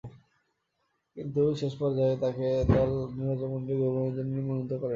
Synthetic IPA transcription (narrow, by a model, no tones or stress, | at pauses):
kint̪uʃeʃpɔɾd͡ʑaet̪aked̪ɔlnɾiɾad͡ʑomont̪ɾiɡobonod͡ʑoniɾmonont̪ːokoɾe